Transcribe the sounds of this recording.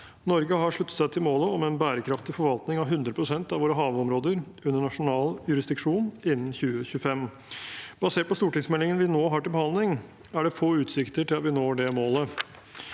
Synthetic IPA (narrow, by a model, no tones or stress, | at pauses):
nɔɾɡəɦɑʂɭʉt̪ːə̥t̪sæɪt̪ʰɪlmoːləɔmɛnbæːɾəkʰɾɑft̪ɪfɔɾʋɑlt̪nɪŋɑʋɦʉnd̪ɾəpʰɾʊsɛnt̪ɑʋoːɾəɦɑːʋəɔmɾoːd̪əɾ | ʉnːəɳɑʂʊnɑːljʉɾɪsd̪ɪkʂuːnɪnːn̩çʉːəçʉəfɛm | b̥ɑseːʈ̚pɔst̪uːʈɪŋsmɛlɪŋənʋɪnoːɦɑːʈɪlbəhɑnd̪lɪŋ | æɖɛfoːʉːt̪sɪkt̪əʈɪlɑt̪ʋɪnoːɖɛmoːlə